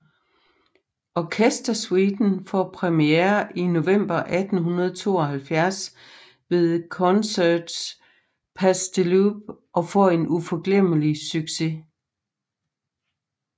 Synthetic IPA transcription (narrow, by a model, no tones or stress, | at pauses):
ʔɒkʰesd̥ɐswid̥n̩fɒpʰʁɛmieɐʔino̝ʋem̰b̥ɐʔæd̥n̩ɦunɐð̞ˠət͡sʰo̝̰ːɒ̽hælfjæɐs | ʋe̝ðˠkʰɒnsæd̥s | pʰæsd̥əlub̥̚ʔɒ̽fɒe̝nufɒɡ̥lem̰əlisyɡ̥se̝